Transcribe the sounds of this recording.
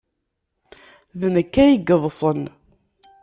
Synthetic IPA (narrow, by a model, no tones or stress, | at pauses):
ðnəkːæjəɡːəðˤsˤən